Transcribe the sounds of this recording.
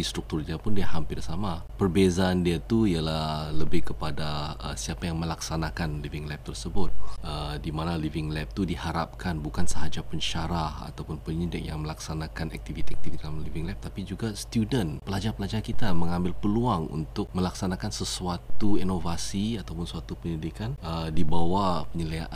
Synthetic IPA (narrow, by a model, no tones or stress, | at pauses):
ist̪ɾuk̚t̪urdiapʊndiahampɪrsamapərbezaːndiat̪uialahləbɪhkəpadaə̰siapajaŋməlaksanakanlivɪŋlɛp̚t̪ərsəbʊt̪̚ədimanalivɪŋlɛp̚t̪udihaɾap̚kanbukansəɦad͡ʒapəɲʃaɾaha̰t̪awpʊnpəɲidɪk̚jaŋməlaksanakanɛ̰k̚t̪ivit̪iɛk̚t̪ividalamlivɪŋlɛp̚t̪apid͡ʒuɡast̪judənpəlad͡ʒarpəlad͡ʒarkit̪aməŋãmbɪlpəluaŋṵnt̪ʊk̚mə̃laksanakansəsuat̪uinovasiat̪awpʊnsuat̪upəɲidikanədibawapəɲəliaʔʔ